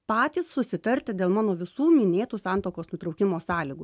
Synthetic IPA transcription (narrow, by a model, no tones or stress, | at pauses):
pɑːt̪ʲiːssʊsʲɪt̪ɐɾʲt̪ʲɪd̪ʲeːlˠmɑːnoːʋʲɪsuːmʲɪnʲeːt̪uːsɑːnt̪oːkoːsnʊt̪ɾɔʊkʲɪmoːsɑːlʲiːɡu